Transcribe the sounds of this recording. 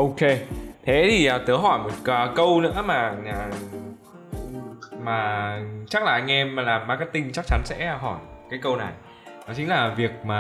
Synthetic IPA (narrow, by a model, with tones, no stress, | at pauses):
ʔo˧wke˧t̪ʰe˨˦t̪ʰi˨˩ʔəː˨˩t̪ɨ˨˦ɦɔ˧˩jmo˨˩t̚kːkə˧wnɨ̰˧˥əmaː˨˩aː˨˩ | maː˨˩t͡ɕa˦˥k̚laː˨˩ʔŋ̟ʔɛ˧mː˨˩laː˨˩mːaː˨˩kaː˨˦jt̪ï˧ŋt͡ɕa˦˥k̚t͡ɕa˨˦nsɛ̰˧˥˧ɦɔ˧˩jkaː˨˦jkə˧wna˨˩j | nɔ˨˦t͡ɕi˨˦ŋ̟laː˨˩vi˨˩ək̚maː˨˩